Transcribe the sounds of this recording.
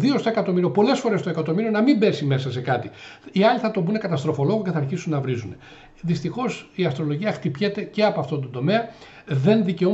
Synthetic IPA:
ðiost̪oe̞kɐt̪o̞miɾio̞po̞le̞sfo̞ɾest̪o̞e̞kɐt̪o̞miɾio̞nɐmimbe̞sime̞sɐse̞kɐt̪iiɐliθɐt̪o̞bune̞kɐt̪ɐst̪ɾo̞fo̞lo̞ɣoceθɐːɾçisunːɐvɾisune̞ | ðist̪ixo̞siɐst̪ɾo̞lo̞ʝiɐxt̪ipçe̞t̪e̞ce̞ɐpoɐft̪ot̪ond̪o̞me̞ɐ | ðe̞nðice̞o

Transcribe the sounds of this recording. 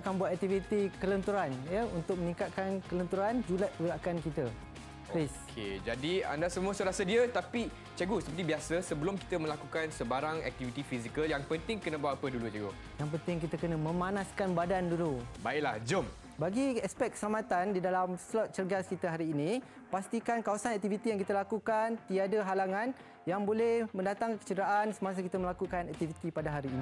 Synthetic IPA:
kanbuat̪̚ɛk̚t̪ifit̪ikələnt̪uɾanjəunt̪ʊk̚mənĩkat̪̚kankələnt̪uɾand͡ʒulat̪̚pəɡəɾakankit̪ə | iskʰed͡ʒadia̰ndasəmuəsuɾasədiət̪api | t͡ʃəɡusəpərt̪ibiasəsəbəlʊmki̥t̪əmə̃lakukansəbaɾaŋɛ̰k̚t̪ivit̪ifizikəljaŋpənt̪ɪŋkənə̃bawat̪̚apədulut͡ʃəɡu | jaŋpənt̪ɪŋk̬it̪akənə̃mə̃manaskanbadandulubaɪʔlahd͡ʒʊm | baɡiɛspɛt̪̚kə̥səlamãt̪andidalamslɔt̪̚t͡ʃərɡaskit̪əɦaɾiːnĩ | past̪ikankawasanɛk̚t̪ivit̪ijaŋkit̪alakukant̪iadaɦalaŋãn | jaŋbolɛhmə̃ndat̪aŋkə̥t͡ʃədɾaʔansəmas̬əkit̪əməlakukanɛk̚t̪ivit̪ipadaɦaɾiːni

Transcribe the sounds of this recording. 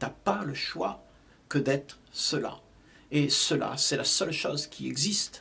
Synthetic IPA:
t̪apaləʃwa̰ | kəd̪ɛt̪χ | səla̰ | esəla̰sɛlasœlʃozkʲiɛ̰ɡzist̪

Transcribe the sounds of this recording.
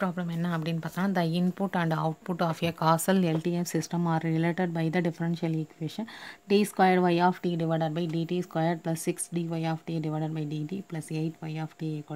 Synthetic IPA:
pɾaːblɐmɛnːɐɐpːɐɽɪ̃nːpaːɾt̪aːnãːd̪ɐɪnpʊʈːɐ̃ɳɖɐʊʈ̚pʊʈːɔːfekaːsɐlɛlʈiɛfsɪsʈɐ̃maːɾːɪleːʈəɖ̚bɐɪd̪ɐɖɪfɐɾɛ̃nʃɐlɪkʋeːʃɐ̃nʈiːskwaːjəɖʋɐɪaːfʈiːɖɪʋɐɪɖɐɖbɐɪɖiːʈiskwaːjəɖ̚plɐsːɪksɖiːʋɐɪaːfʈiːɖɪʋɐːɖəɖbɐɪɖiːʈiplɐseɪʈ̪ʋɐɪaːfʈikː

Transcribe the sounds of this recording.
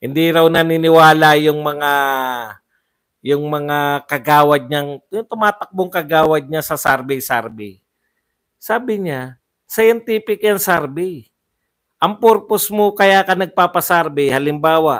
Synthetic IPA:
hɪnd̪iɾɐwnɐninɪwaːlajʊŋmɐŋa | jʊŋmɐŋakɐɡaːwɐd̪̚ɲaŋjʊŋt̪ʊmaːt̪ɐk̚boŋkɐɡaːwɐd̪̚ɲasɐsaɾbɪjsaɾbɪ̰ | saːbɪɲa | sɐjɛnt̪iːpɪkjɐŋsaɾbɪ | ʔɐŋpoɾposmokɐjaːkɐnɐɡ̚paːpɐsaɾbɪhɐlɪmbaːwaʔ

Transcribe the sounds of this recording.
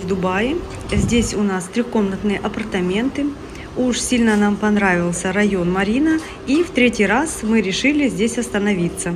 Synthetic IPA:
vd̪ʊbajɪ | zʲdʲesʲʊnast̪ɾʲixko̞mnət̪nɨjəʔɐpərt̪ɐmʲe̞nt̪ɨ | uʂsʲilʲnənampɐnɾavʲɪlˠsʲəɾɐjo̞nmɐɾʲinə | ift̪ɾʲetʲɪjɾasmɨɾʲɪʂɨlʲɪzʲdʲesʲɐst̪ənɐvʲit̪sːə

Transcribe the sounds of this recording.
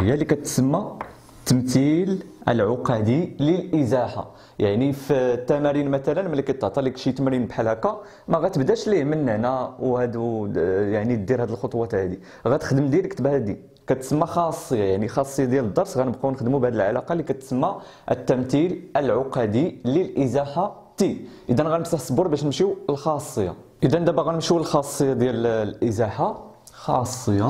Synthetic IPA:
həjːælikæt̪səmːa | t̪ːəmt̪ilʔə̰lʕoqɑd̪iləlʔəzæħa̰ | jaʕnift̪ːæmæɾinmæt̪ælənmælækit̪ːʕt̪ˤɑlikʃit̪mæɾinbħalækɑ | mæɣæt̪əbd̪æʃliʕmənːəʕnæwhæd̪ujaʕnid̪iɾhæd̪əlxot̪ˤwɑt̪hæd̪i | ɣæt̪ə̥xd̪əmd̪jæləkt̪bhæd̪i | kæt̪səmːæxɑsˤːəjːajaʕnixɑsˤːəjad̪jæləd̪ˤːɑɾˤsɣænəbqɑwnəxd̪mubʕæd̪əlʕa̰lɑqɑlikæt̪səmːæ | ʔət̪ːæmt̪iləlʕoqɑd̪iləlʔəzæħa | t̪iʔəd̪ænɣælnəfsaħsboɾˤbæʃnəmʃiwəlxɑsˤːəjːɑ̰ | ʔəd̪ænd̪æbæɣænəmʃulxɑsˤːəjːad̪jællʔəzæħa | xɑsːəjːɑ

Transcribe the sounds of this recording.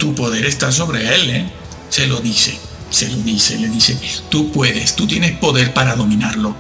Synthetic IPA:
t̪upo̞ðe̞ɾe̞st̪as̬o̞βɾe̞ele | se̞lo̞ðise̞ | se̞lo̞ðise̞le̞ðise̞t̪upwe̞ðe̞st̪ut̪jenespo̞ðe̞ɾpaɾaðo̞mĩnaɾlo̞

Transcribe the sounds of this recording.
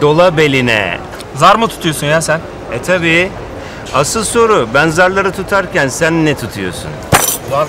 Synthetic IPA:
d̪o̞lˠabelʲinɛ̰ | zaɾmɯt̪ʰu̥t̪ʰujosunjasæn | ɛt̪ʰabiː | asɯlˠso̞ɾubænzaɾlˠaɾɯt̪ʰut̪ʰaɾcʰænsænːɛt̪ʰut̪ʰujo̰sṵn

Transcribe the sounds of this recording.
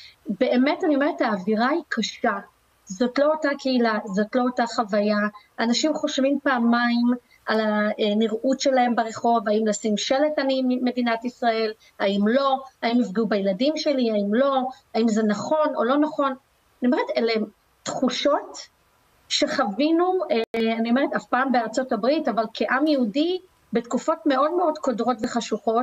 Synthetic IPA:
be̞eme̞tanjomeetaːviʁaikʰaʃa | zo̞tlo̞otakeilazo̞tlo̞otaχavaja | anaʃimχo̞ʃvimpaːmaim | alaniʁʔutʃelae̞mbaʁe̞χo̞vaimlasimʃeletanimimːe̞dinatisʁae̞l | aimlo̞aimifɡeubajeladimʃe̞liaimlo̞ | aimzenaχo̞no̰lo̞naχo̞n | aniome̞ʁetele | tχuʃo̞t | ʃeχavinueanio̞me̞etafpaːmbeaʁt͡so̞tabʁitavalkʰeʔamjeudi | be̞tkufo̞tme̞o̞dmeo̞dko̞dʁo̞tveχaʃuχo̞t

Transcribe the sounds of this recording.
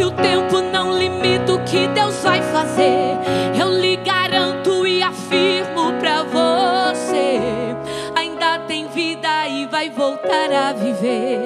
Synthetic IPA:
ɪʊt̪ẽmpʊnɐ̃w̃limit̪ʊkɪd̪ewzvajfazeewlɪɡaɾɐ̃nt̪ʊɪafiɾmʊpɾɐvose | aĩnd̪ɐt̪ẽj̃vid̪ɐɪvajvowt̪aɾaviveɾ

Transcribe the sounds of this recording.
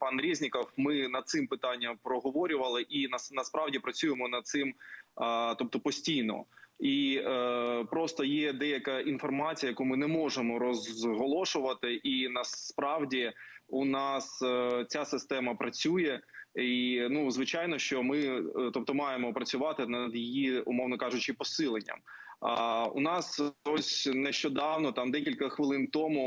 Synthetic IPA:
pɑnɾʲizʲnʲɪkɐwmɪnɐd̪̚sɪmpɪt̪ɑnʲːɐmpɾɔɦɔʋɔɾʲʊʋɐlˠɪʔinɐnɐspɾɑwdʲipɾɐt͡sʲujemɔnɐd̪t̪sɪm | t̪ɔp̚t̪ɔpɔsʲtʲijnɔ̰i | pɾɔst̪ɔjɛd̪ɛjɐkɐʔinfɔrmɑt͡sʲijɐjɐkumɪnɛmɔʐemɔɾɔzɦɔlˠɔʃʊʋɐt̪ɪʔinɐspɾɑwdʲiunɑst͡sʲasɪst̪ɛmɐpɾɐt͡sʲujɛinuzʋɪt͡ʃajnɔʃt͡ʃɔmɪt̪ɔp̚t̪ɔmɑjemɔpɾɐt͡sʲʊʋɑt̪ɪnɐd̪jɪjiʊ̰mɔwnɔkɑʒʊt͡ʃɪpɔsɪlˠenʲːɐ̰m | ʊ̰nɑsɔsʲnɛʃt͡ʃɔd̪ɑwnɔt̪ɑmd̪ɛkʲilʲkɐxʋɪlˠɪnt̪ɔmu

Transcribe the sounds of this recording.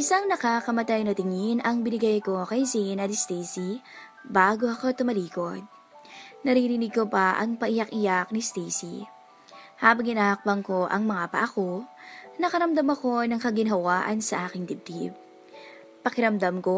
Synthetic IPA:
ʔɪsaŋnɐkakɐmɐt̪ajnɐt̪ɪŋɪnʔɐŋbɪnɪɡajko̞kɐjsinɐt̪ɪst̪iːsi | baːɡo̞ʔɐko̞t̪ʊmɐliːko̞d̪̚ | nɐɾiːɾɪnɪɡ̚ko̞pɐʔɐ̰ŋpɐʔɪjɐkʔɪjak̚nist̪iːsḭ | haːbɐŋɪnahɐk̚pɐŋko̞ʔɐ̰ŋmɐŋapɐ̰ʔɐko̞nɐkɐɾɐmd̪ɐmɐko̞nɐŋkɐɡɪnɦɐwaːʔɐnsɐʔaːkɪŋd̪ɪb̚t̪ḭb̚ | pɐkɪɾɐmd̪amko

